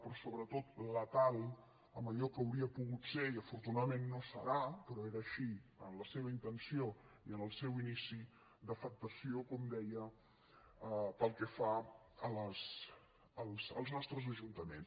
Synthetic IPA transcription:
pɾɔsoβɾət̪ot̪lət̪alˠ | əməʎɔkəwɾiəpuɣut̪feiəfuɾt̪unaðəmenːosə̰ɾapɾɔeɾəːʃiənləseβəint̪ənsioiənəlˠsewinisi | d̪əfək̚t̪əsiokɔmd̪ɛjə | əpəlˠkɛfa | ələs | əlˠsə̰lˠznɔst̪ɾəzəʒunt̪əmḛns

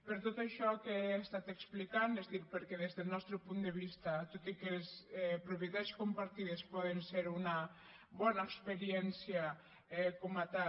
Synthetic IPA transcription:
peɾt̪ot̪aʃɔkeːst̪at̪eksplikand̪ezdiɾpeɾkeð̞ezðelnɔst̪ɾopund̪eβ̞ist̪at̪ot̪ikesɛpɾoβjet̪askompaɾt̪ið̞espɔðenseɾuna | βɔnaekspeɾjɛnsja | ɛkomat̪a

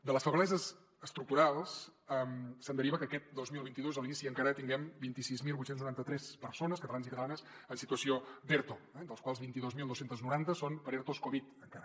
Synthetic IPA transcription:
d̪ələsfəɣəlɛzəz | əst̪ɾuk̚t̪uɾalˠsɛmsənd̪əɾiβəkəkɛt̪̚d̪ozmilˠβint̪iðozəlˠiisiəŋkaɾət̪iŋɡɛmbint̪isizmilˠβut̪senznuɾant̪ət̪ɾɛspəɾsonəskət̪əlanzikət̪əlanəs | ənsit̪uəsiod̪eɾt̪oɛd̪əlˠskwalˠzβint̪iðozmilˠowsent̪əznuɾant̪əsonpəɾeɾt̪oskoβit̪əŋkaɾə

